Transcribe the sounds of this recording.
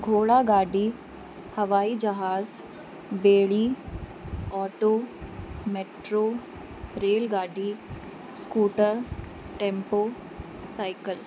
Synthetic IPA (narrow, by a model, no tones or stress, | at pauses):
ɡʱoːɭaːɡaːɖi | hɐʋaːiːd͡ʒɐɦaːz | beːɭiː | ɔːʈoːmeʈɾoː | ɾeːlɡaːɖiː | skuːʈəɾ | ʈẽːmpoː | saːɪkəl